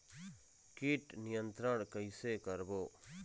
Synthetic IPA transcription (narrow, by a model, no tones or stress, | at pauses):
kiʈnɪjə̃nt̪ɾəɳ̃kəisekəɾboː